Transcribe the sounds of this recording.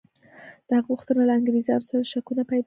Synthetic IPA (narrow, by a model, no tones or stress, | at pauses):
d̪̥əhaɣɣuxt̪ənalaaŋɡɾezɑ̰nosaɾad̪əʃakunapaj